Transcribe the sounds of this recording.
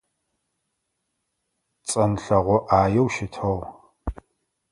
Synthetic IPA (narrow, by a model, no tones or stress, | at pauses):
t͡sʼɐnɬɐʁʷɔʔaːjɛwʃɪtʰɐw